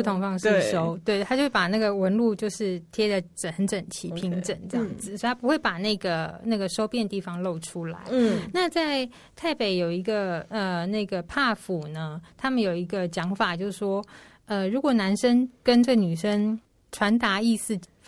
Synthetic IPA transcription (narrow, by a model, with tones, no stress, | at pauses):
pu˥˩t̪ʰʊ˧˥ŋfɑ˥ŋʂ̩˥˧ʂo˥ʊt̪we˥˩ɪt̪ʰa˥t͡ɕo˥˧wpa˨˩na˥˩ɡə˩wə˧˥nlu˥˧t͡ɕjo˥˧ʊʂɻ̩˥˩t̪ʰjɛ˥d̪ə˨ʈ͡ʂə˨˩xə˧˥nʈ͡ʂə˨˩ŋt͡ɕʰi˧˥pʰi˧˥ŋʈ͡ʂə˨˩ŋʈ͡ʂə˥jɑ˥˩˥ŋd͡zɹ̩˨˩sɔ˥˧t̪ʰa˥pu˧˥xwe˥˩ɪpa˨˩na˥˩ɡə˩na˥˩ɡə˩ʂo˥ʊpjɛ˥˧nt̪i˥˩fɑ˨˩ŋlo˥˩ʊʈ͡ʂʰu˥la̰˧˦ɪna˥˧t͡sa˥˧ɪ | t̪ʰa˥˩ɪpe˨˩˦ɪjo˨˩ʊi˧˥ɡə˧ə˩na˥˩ɪɡə˩pʰa˥˩fu˨˩nə˦t̪ʰa˥mə˨njo˨˩ʊi˧˥ɡə˧t͡ɕjɑ˧˥ŋfa˨˩t͡ɕjo˥˧ʊʂ̩˩ʂwɔ˥ | ə˧ɻu˧˥kwɔ˨˩na˧˥nʂə˥ŋkə˥nʈ͡ʂə˥˩ɡə˩ny˨˩ʂə˥ŋ | ʈ͡ʂʰwa˧˥nt̪a˧˥i˥˧sɹ̩˥˩